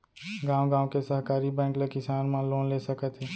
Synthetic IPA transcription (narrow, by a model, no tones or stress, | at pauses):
ɡãːwɡãːwkesəɦkaːɾibɛ̃ːŋklekɪsaːnmãloːnleːsəkət̪ɦeː